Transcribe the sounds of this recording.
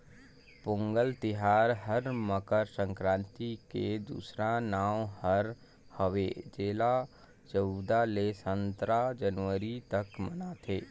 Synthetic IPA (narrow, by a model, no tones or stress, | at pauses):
pʊ̃ŋɡəlt̪ɪɦaːɾɦəɾməkəɾsə̃ŋkɾãːnt̪iked̪ṵːsɾanaːmhəɾ | həʋed͡ʒeːla | d͡ʒəud̪alesə̃nt̪ɾad͡ʒənʋəɾit̪əkmənat̪ʰeː